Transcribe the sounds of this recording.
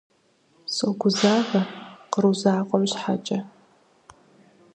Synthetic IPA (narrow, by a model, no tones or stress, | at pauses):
soɡʷʊzaːvɐqəɾuzaːqʷʼɔɥʷɕħat͡ʃʼɐ